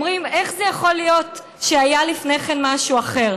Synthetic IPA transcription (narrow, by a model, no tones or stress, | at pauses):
mʁime̞χzejaχo̞lijo̞t | ʃeajalifne̞χenmaʃuaχe̞ʁ